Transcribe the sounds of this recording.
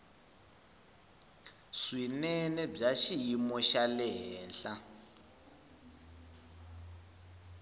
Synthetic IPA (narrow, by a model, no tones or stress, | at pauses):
swinɛnɛb͡ʐaʃijimɔʃalɛɦɛːnɬa